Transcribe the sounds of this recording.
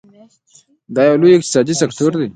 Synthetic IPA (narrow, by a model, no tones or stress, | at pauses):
d̪ɑːjawlujɪk̚t̪ɪ̥sɑːd̪isekʈ̪ʰoɾd̪i